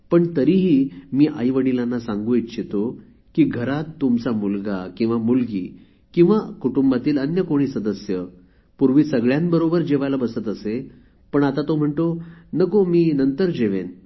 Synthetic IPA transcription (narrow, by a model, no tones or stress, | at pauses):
pəɳt̪əɾiɦiːmiːʔajʋəɽilanːasãŋɡuit̪ɕet̪o | kiːɡʱəɾat̪ːumt͡samulɡakĩw̃ʋamulɡḭː | kĩw̃ʋakuʈumbat̪iːlənjəkoɽ̃iːsəd̪əsjə | puɾʋiːsəɡɭjãnbəɾobəɾd͡ʑeʋajlabəsət̪əse | pəɳat̪at̪om̤əɳʈ̪onəkomiːnənt̪əɾd͡ʑeʋen